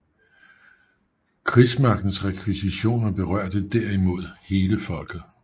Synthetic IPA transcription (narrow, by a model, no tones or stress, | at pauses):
kʰʁismɑ̈ɡ̥n̩sʁɛkʰʋisiɕo̝̰ːnæb̥e̝ʁɶɐ̰d̥əd̥æɐ̰imo̝ð̞̰ˠhe̝ːləfɒ̽l̰ɡ̥ð̩ˠ